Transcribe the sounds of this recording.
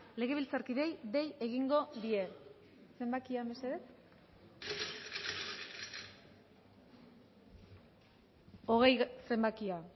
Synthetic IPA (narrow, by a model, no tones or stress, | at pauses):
le̞ɣ̞e̞βilt͡saɾkiðe̞jðe̞je̞ɣiŋɡo̞ðie̞ | se̞mbakiambeseðet͡s | o̞ɣ̞e̞jse̞mbakia